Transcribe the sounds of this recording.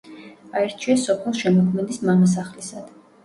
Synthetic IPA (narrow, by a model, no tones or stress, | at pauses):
aɛɾt͡ʃʰiɛsɔpʰɛlˠʃɛmɔkʰmɛd̪ismamas̬aχlisad̪̥